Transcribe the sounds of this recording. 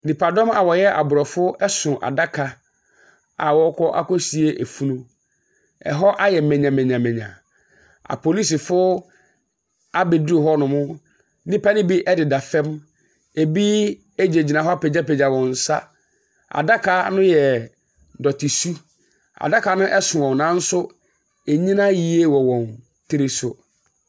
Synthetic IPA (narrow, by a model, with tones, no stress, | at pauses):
nĩ˨pʰa˨dɔ̃˦ma˨wɔ˨jɛ˦ʔa̰˨bʊ˨ɾɔ˨fʊ˦ɛ˦sʊ̃˨ʔa̰˨da˦kʰa˨ | a˨wɔ˦kʰɔ˦ʔa̰˦kɔ˦si˨e˦ʔe˨fu˦nũ˦ | ɛ̰˨ɦɔ˦ʔa˦jɛ˨mɛ̃˨ɲã˨mɛ̃˨ɲã˨mɛ̃˨ɲã̰˨ | a̰˨pʰo˨li˦s̬ɪ˨fʊ˦ | a˦be˨di˨ɦɔ˦nʊ̃˨mʊ̃˦ | nɪ̃˦pa˦nɪ̃˦bi˦ʔɛ˦dɪ˨da˨fɛ̃˦m | e˨bi˦ | e˦d͡ʑe˨d͡ʑi˨nã˨ɦɔ˦a˦pɛ˨d͡ʑa˦pɛ˨d͡ʑa˨wɔ̃˨n̩˨sa˦ | a̰˨da˦kʰa˨˦nʊ̃˦jɛ˨ | dɔ˨tʰɪ˨su˦ | a̰˨da˦kʰa˨˦nʊ̃˦ʔɛ˦sʊ˨ɔ̃˨nã˨˦n̩˦sʊ˦ | e˨ɲĩ˦nã˦ji˨e˦wɔ˨wɔ̃˨n | tʰɪ˦ɾɪ˦sʊ˨